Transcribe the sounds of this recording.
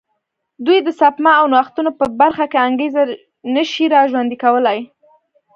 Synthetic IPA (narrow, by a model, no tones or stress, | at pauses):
d̪ujd̪əsapmɑawnwaxt̪unopəbaɾxakeaŋɡeza | nəʃiɾɑʒwand̪ikawəlaj